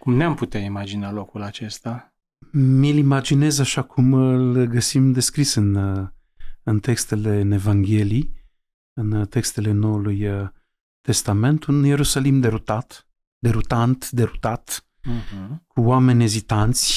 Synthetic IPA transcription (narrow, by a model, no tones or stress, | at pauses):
kumneamput̪eaimad͡ʒinalo̞kulat͡ʃe̞st̪a | milimad͡ʒine̞zaʃakʰumlɡəsimd̪e̞skɾisɨn | ɨnt̪e̞kst̪e̞le̞ne̞vaŋɡʲe̞lij | ɨnt̪e̞kst̪e̞le̞no̞uluj | t̪e̞st̪ame̞nt̪unje̞ɾusalimd̪e̞ɾut̪at̪ | d̪e̞ɾut̪ant̪d̪e̞ɾut̪at̪̩ | h̩kuwame̞nʲe̞zit̪ant̪sʲ